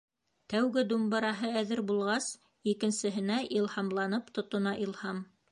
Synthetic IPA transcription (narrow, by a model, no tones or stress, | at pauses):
t̪æwɡɘd̪umbɤ̆ɾɑɦɤæðɘɾbulˠʁɑs | ikɘ̆nsɘ̆ɦɘ̆næʔilˠhɑmlˠɑnɤpt̪ŏt̪ŏnɑʔilˠhɑm